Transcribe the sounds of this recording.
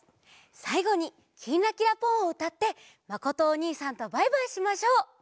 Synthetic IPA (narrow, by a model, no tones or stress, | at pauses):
saiɡo̞ɲ̟i | kʲʰinːakʲiɾapõɰ̃oɯ̟t̪at̪ːe̞ | mako̞t̪o̞ːɲ̟iːsãnt̪o̞baibãɰ̃ɕimaɕo̞ː